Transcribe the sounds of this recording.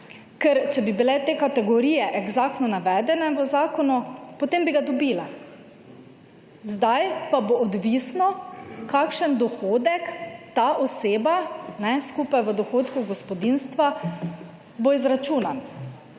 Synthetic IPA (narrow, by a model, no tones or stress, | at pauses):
kɛɾt͡ʃɛbibilɛt̪eːkat̪ɛɡɔɾiːjɛʔɛɡzakt̪nɔnaʋɛːd̪ɛnɛʋəzaːkɔnupɔt̪eːmbiɡad̪ɔbila | zd̪ajpaboʔɔd̪ʋisnɔkakʃənd̪ɔxoːd̪ɛkt̪aʔɔseːbanɛskupajʋəd̪ɔxoːt̪kuɡɔspɔd̪inst̪ʋa | boizɾat͡ʃuːnan